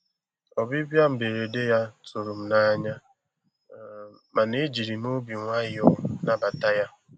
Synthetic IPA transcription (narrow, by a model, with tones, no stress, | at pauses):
ɔ˨bi˦bja˦m̩˨be˨ɾe˨de˦ja˦tʊ˨ɾʊ˨m̩˦na˦ɲa˦ | ma˨ne˦d͡ʒi˨ɾi˨no˦bi˨ŋʷa˦ɪ˦ɔ˦na˦ba˨ta˦ja˦